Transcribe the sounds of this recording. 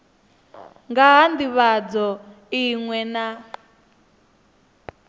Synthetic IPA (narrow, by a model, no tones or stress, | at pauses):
ŋɡaɦandiβad͡zɔ | iŋwɛna